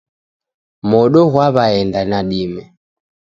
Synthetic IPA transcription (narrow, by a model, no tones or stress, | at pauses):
mɔɗɔɣwaβaɛndanaɗimɛ